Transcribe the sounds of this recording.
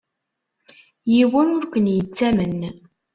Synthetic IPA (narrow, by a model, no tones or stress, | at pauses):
jiwænʊɾkʷənjət͡sːæmən